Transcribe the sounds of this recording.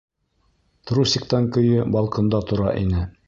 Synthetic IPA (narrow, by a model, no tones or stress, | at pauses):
t̪ɾusʲɪkt̪ɑŋkɵ̆jɘbɑlˠqɤ̆nd̪ɑt̪ŏɾɑʔḭnɘ